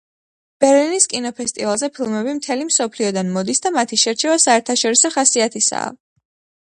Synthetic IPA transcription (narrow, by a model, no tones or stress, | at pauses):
b̥ɛɾliniskʼinɔpʰɛst̪ʼivalˠzɛpʰilˠmɛbimt̪ʰɛlimsɔpʰliɔd̪anmɔd̪isd̪amat̪ʰiʃɛɾt͡ʃʰɛvasaɛɾt̪ʰaʃɔɾisɔχasiat̪ʰisa̰ɔ̰